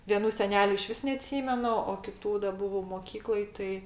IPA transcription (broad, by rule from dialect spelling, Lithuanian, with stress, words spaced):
ʋʲiɛˈnuː sʲɛˈnʲæːlʲʊ ɪˈʃʲʋʲɪs nʲɛɐˈtʲsʲiːmʲɛnʊ oː kʲɪˈtuː dɐ ˈbʊʋɐʊ moːˈkʲiːklˠoːj ˈtɐɪ